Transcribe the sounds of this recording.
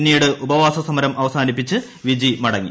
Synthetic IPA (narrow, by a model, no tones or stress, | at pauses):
nːijuɽɨʔubɐʋaːsɐsɐmɐɾɐmʔɐʋɐsaːnipːit͡ɕːɨ | ʋid͡ʑimɐɽɐŋːḭ